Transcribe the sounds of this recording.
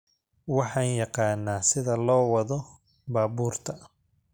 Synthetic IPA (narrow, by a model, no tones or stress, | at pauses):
wɑħɑːnjɑqɑːnːaːsɪðɐlɔːwɑðɔ | baːbuːrt̪ʰɐ